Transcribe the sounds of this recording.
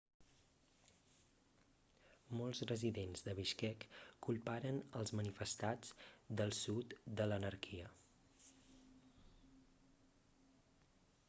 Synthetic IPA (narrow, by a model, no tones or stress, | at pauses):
mɔlˠzrəziðenzðəβiʃkɛkːulˠpaɾənəlˠzmənifəst̪ad͡zd̪əlˠsut̪d̪ələnəɾkʰiə